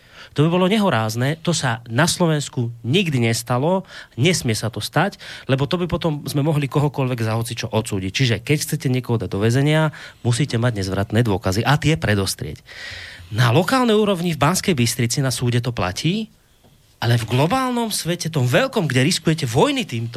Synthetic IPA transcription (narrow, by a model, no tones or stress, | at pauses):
t̪ɔbibɔlɔɲɛɦɔɾaːznɛt̪ɔsanaslɔʋɛnskuɲiɡd̪iɲɛst̪alɔɲɛsmɪɛsat̪ɔst̪aclɛbɔt̪ɔbipɔt̪ɔmzmɛmɔɦlikɔɦɔkɔʎʋɛɡzaɦɔt̪t͡sit͡ʃɔʔɔt̪suːɟic̚t͡ʃiʒɛkɛcxt͡sɛcɛɲɪɛkɔɦɔd̪aɟ̚d̪ɔʋɛd͡zɛɲɪamusiːcɛmaɟɲɛzʋɾat̪nɛːd̪ʊɔkaziʔat̪ɪɛpɾɛd̪ɔst̪ɾɪɛ̰c | nalɔkaːlnɛjuːɾɔʋɲivbanskɛjbist̪ɾit͡sinasuːɟɛt̪̬ɔpla̰cʰiː | ʔalɛvɡlɔbaːlnɔmsʋɛcɛt̪ɔmʋɛlkɔmɡɟɛɾiskujɛcɛʋɔjnit̪iːmt̪ɔ